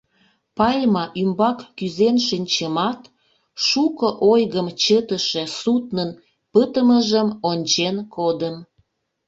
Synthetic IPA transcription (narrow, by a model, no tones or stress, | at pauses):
pɑlʲmɑʔymbɑkːyzenʃinʲt͡ɕəmɑt̪ | ʃukəʔojɣəmt͡ɕət̪əʃesut̪nən | pət̪əməʒəmonʲt͡ɕenkʰod̪əm